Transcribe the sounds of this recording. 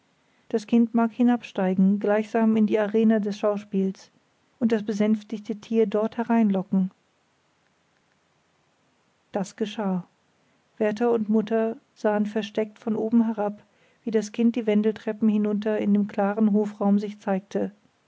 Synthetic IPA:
d̥askʰɪntmaːkhɪnapʃtaɪɡŋ̩ɡlaɪçz̥aːmɪndiːaʁeːnədɛsʃaʊʃpiːls | ʔʊnt̚d̥asb̥əzɛnftɪçtətʰiːɐdɔɐthɛʁaɪnlɔkŋ̩ | d̥asɡ̥əʃaː | v̥ɛɐtɐʊntmʊtɐ | z̥aːənfɛɐʃtɛk̚tfɔnʔoːbm̩ɦɛʁap | v̥iːdaskʰɪnt̚d̥iːvɛndl̩tʁ̥ɛpm̩hɪnʊntɐɪndeːmkʰl̥aːʁənɦoːfʁaʊmzɪçt͡saɪk̚tʰə

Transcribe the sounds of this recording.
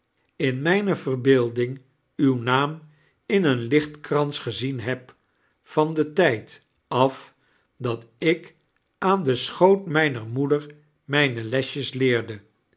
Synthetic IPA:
ɪnmɛjnəvərbɪːlˠdɪŋ | ywnaːm | ɪnənlɪχtkrɑnsχəzinɦɛp | fɑndətɛjt | ɑf | dɑtɪk | ʔaːndəsχowtmɛjnəɹmudəɹ | mɛjnəlɛʃəslɪːɹdə

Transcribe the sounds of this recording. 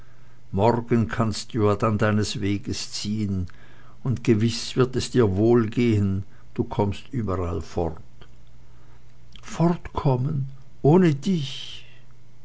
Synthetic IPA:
mɔʁɡənkʰanst̚d̥uːjaːɐdandaɪnəsveːɡəst͡siːən | ʊntɡ̥əvɪsv̥ɪɐtɛsd̥iːɐvoːlɡeːən | d̥uːkʰɔmstʔyːbɐʁalfɔʁt | fɔʁtkʰɔmən | ʔoːnədɪç

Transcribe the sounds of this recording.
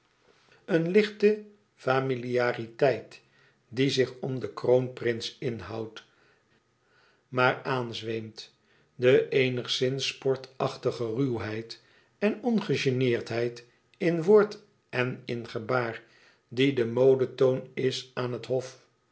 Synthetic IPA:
ənlɪχtə | faːmiliaːritɛjt | dizɪχɔmdəkrownprɪnsɪnɦɑwt | maːɹaːnzʋejmt | dəʔejnəχsɪnsːpɔɹtɑχtəχərywɦɛjt | ɛnɔnχəʒenɪːɹtɦɛjt | ɪnʋʊːɹt | ɛnɪnχəbaːɹ | didəmowdətownɪsaːnɦətɦɔf

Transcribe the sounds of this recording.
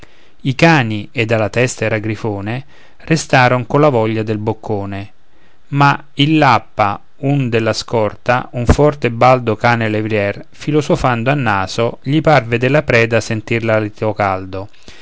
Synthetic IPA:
ikaːnied̪ːalat̪ɛst̪aɛɾaɡɾifoːne | rest̪aːɾoŋkolavɔʎːad̪elbokʰːoːne | ma | ilːapːa | und̪elːaskɔrt̪a̰uɱfɔrt̪ebːald̪okaːnelevɾjɛr | filosofand̪oanːaːzoʎiparved̪elːapɾɛːd̪asent̪irlalit̪okald̪o

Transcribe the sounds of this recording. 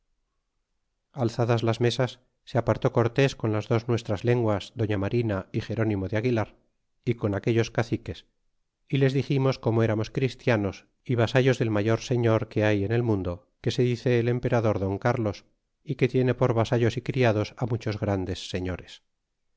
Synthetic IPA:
alθaðazlazme̞sasː | eapaɾt̪o̞ko̞ɾt̪e̞sko̞nlazðo̞znwe̞st̪ɾazle̞ŋɡwazðo̞ɲamaɾinaixe̞ɾo̞nimo̞ðeaɣilaɾ | iko̞nake̞ʎo̞skaθike̞s | ile̞zðiximo̞sko̞moe̞ɾamo̞skɾist̪jano̞s | iβ̞asaʎo̞zðe̞lmaʝo̞ɾse̞ɲo̞ɾke̞aje̞ne̞lmũnd̪o̞ | ke̞se̞ðiθe̞ːle̞mpe̞ɾaðo̞ɾðo̞ŋkaɾlo̞s | ike̞t̪je̞ne̞po̞ɾβasaʎo̞sikɾiaðo̞samut͡ʃo̞zɣɾand̪e̞sːe̞ɲo̞ɾe̞s

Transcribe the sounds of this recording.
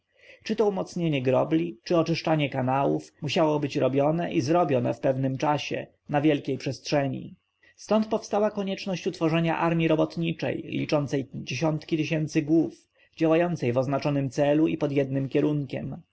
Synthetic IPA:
t͡ʂɘt̪ɔumɔt̪sɲeɲɛɡɾɔ̰blʲit͡ʂɘɔt͡ʂɘʂt͡ʂaɲɛkanawufmuɕawɔbɘt͡ɕɾɔbʲjɔnɛʔizɾɔbʲjɔnɛ̰fpɛvnɘmt͡ʂaɕɛ̰ | navʲjɛlkʲejpʂɛstʂɛɲḭ | st̪ɔnt̪̚pɔfst̪awakɔɲɛt͡ʂnɔɕt͡ɕut̪fɔʐɛɲaʔaɾmʲjiɾɔbɔt̪ɲit͡ʂɛ̰jlʲḭt͡ʂɔnt̪sɛjd͡ʑeɕɔnt̪kʲit̪ɘɕɛnt̪sɘɡwuf | d͡ʑawajɔnt̪sɛjvɔznat͡ʂɔnɘmt̪sɛluipɔd̪jɛd̪nɘmkʲɛɾuŋkʲɛm

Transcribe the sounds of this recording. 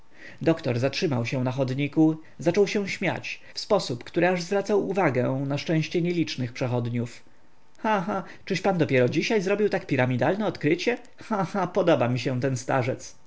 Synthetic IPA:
d̪ɔkt̪ɔ̰ɾzatʂɘmawɕɛ̃naxɔd̪ɲiku | zat͡ʂɔwɕɛw̃ɕmʲja̰t͡ɕ | fspɔsupkt̪uɾɘaʐzvɾat̪sawuvaɡɛ̃naʂt͡ʂɛ̃w̃ɕt͡ɕɛɲelʲit͡ʂnɘxpʂɛxɔd̪ɲuf | xaxa | t͡ʂɘʂpand̪ɔpʲjɛɾɔd͡ʑiɕajzɾɔbʲiwt̪akpʲiɾamʲid̪alnɛɔt̪kɾɘt͡ɕɛ | xaxapɔd̪ɔbamʲiɕɛt̪ɛnst̪a̰ʐɛt̪s

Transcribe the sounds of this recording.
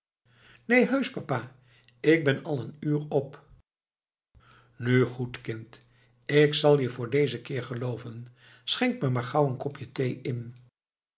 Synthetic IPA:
nejɦøɥspapaː | ɪɡ̚bɛnɑlˠənyːrɔp | nyχutkɪnt | ɪksɑlˠjəvʊːɹdejzəkɪːɹχəlowvən | sχɛŋkməmaːɹχɑwənkɔpjətejɪn

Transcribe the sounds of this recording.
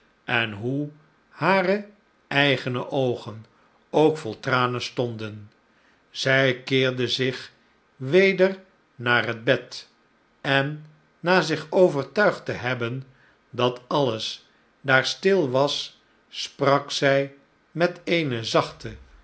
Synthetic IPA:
ʔɛnɦu | haːrə | ɛjχənəʔowχən | owkfɔlˠtraːnənstɔndən | z̥ɛjkɪːɹdəzɪχ | ʋejdər | naːrɦəd̚bɛt | ɛnː | aːzɪχowvəɹtœɥχtəɦɛbən | dɑtɑləs | daːɹstɪlˠʋɑsː | prɑksɛj | mɛtejnəzɑχtə

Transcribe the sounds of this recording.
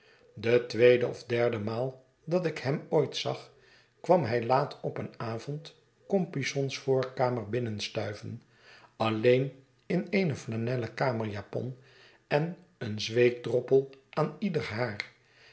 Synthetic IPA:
dətʋejdəɔ̰vdɛɹdəmaːlˠ | dɑtɪkhɛmoːjtsɑ̰χ | kʋɑmɦɛjlaːtʰɔpənaːvɔnt | kɔmpisɔnsfʊːɹkaːməɹbɪnənstœɥvən | ɑlejn | ɪnejnəflanɛləkaːməɹjaːpɔ̰n | ɛn | ənzʋejk̚drɔpəlˠʔaːnidəɹɦaːr

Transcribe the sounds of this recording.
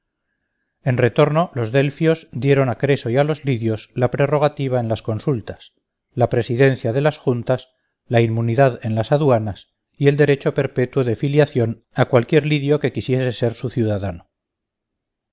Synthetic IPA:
e̞nre̞t̪o̞ɾno̞lo̞zðe̞lfjo̞zd̪je̞ɾo̞nakɾe̞soialo̞zliðjo̞slapɾe̞ro̞ɣ̞at̪iβ̞ae̞nlasko̞nsult̪as | lapɾe̞siðe̞nθjaðe̞lasxunt̪as | laimmuniðaðe̞nlasaðwanas | ie̞ld̪e̞ɾe̞t͡ʃo̞pe̞ɾpe̞t̪wo̞ðefiljaθjo̞n | akwalkje̞ɾliðjo̞ke̞kisje̞se̞se̞ɾsuθjuðaðano

